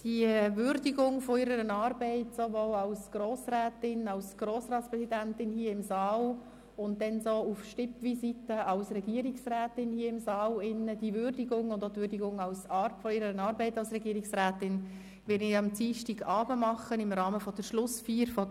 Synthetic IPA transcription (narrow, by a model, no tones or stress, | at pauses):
d̥iʋʏɾdiɡʊŋfɔɪɾəɾənɑːɾbɛɪtsoʋoːlɑsɡ̥roːsɾæːtɪnɑlsɡ̥roːsɾɑːtspɾɛsidæntɪnhiːəɪmsɑːl | ʊnt̚dɛnsoufʃtɪpʋisitəʔɑlsɾɛɡiːəɾɪksræːtɪnhiːəɪmsɑːlɪnːəd̥iʋʏɾdiɡʊŋʊndoːt̪ʋʏɾdiɡʊŋɑlsɑɾfɔiɾəɾənɑːɾbɛɪtɑlsɾɛɡiːəɾiksɾæːtɪn | ʋɪɾniɑmt͡siːʃtɪɡɑːbəmɑχənɪmɾɑːməfɔd̥əɾʃlʊsfiːɾfɔ